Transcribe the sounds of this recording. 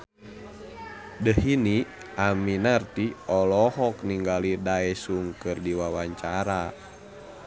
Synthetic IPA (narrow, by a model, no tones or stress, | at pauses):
dəhini | ʔaminart̪iɔlɔɦɔkniŋɡalidaɛsuŋkɨrdiwawaɲt͡ʃaɾa